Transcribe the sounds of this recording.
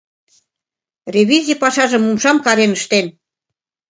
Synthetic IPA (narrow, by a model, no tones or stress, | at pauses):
rʲeβʲizʲipɑʃɑʒə̆mumʃɑmkɑɾenəʃt̪en